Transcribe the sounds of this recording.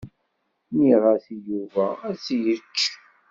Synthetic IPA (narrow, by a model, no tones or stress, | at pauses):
niʁæθjuvææt͡sːjət͡ʃː